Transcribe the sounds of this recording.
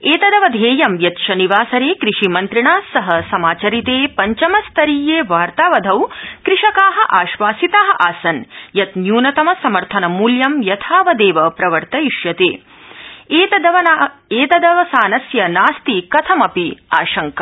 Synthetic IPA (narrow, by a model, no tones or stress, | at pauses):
eːt̪ɐd̪ɐʋɐd̪ʱeːjɐmjɐt̪ʃɐniʋaːsɐɾeːkɾiʂimɐnt̪ɾiɳaːsɐɦɐsɐmaːt͡ʃɐɾit̪eːpɐɲt͡ʃɐmɐst̪ʰɐɾiːjeːʋaːɾt̪aːʋɐd̪ʱɐwkɾɪʂɐkaːɦɐ̆ʔaːʃʋaːsit̪aːɦɐʔaːsɐnjɐt̪njuːnɐt̪ɐmɐsɐmɐɾt̪ʰɐnɐmuːljɐmjɐt̪ʰaːʋɐd̪eːʋɐpɾɐʋɐɾt̪ɐjiʃjɐt̪eː | eːɐɐʋeːt̪ɐd̪ɐʋɐsaːnɐsjɐnaːst̪ikɐt̪ʰɐmɐpiaːʃɐŋkɐ